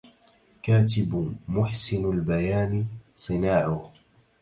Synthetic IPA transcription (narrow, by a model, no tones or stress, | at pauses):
kaːt̪̬ɪbmʊħsɪnalbajaːnsˤɨnaːʕʊ